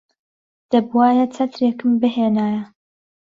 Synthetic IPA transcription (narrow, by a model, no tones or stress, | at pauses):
d̪̥ɐbwaːjɐt͡sʰɐt̪ɾeːkɨmbɨɦeːnaːjɐ